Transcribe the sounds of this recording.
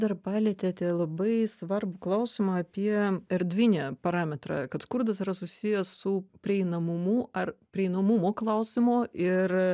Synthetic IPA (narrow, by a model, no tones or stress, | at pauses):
d̪ɐrpɑːlʲet̪ʲeːt̪ʲelˠɐbɐɪsʋɐrbʊklˠɐʊsʲɪmɐɐpʲiɛɛrd̪ʲʋʲɪnʲɛːpɐɾɑːmʲɛt̪ɾɑ̰kɐt̪skʊrd̪ɐsɪɾɐsʊsʲijɛssʊpʲɾʲɪɛɪnɐmʊmʊɐrpʲɾʲɪɛɪnɐmʊmoːklˠɐʊsʲɪmoːɪr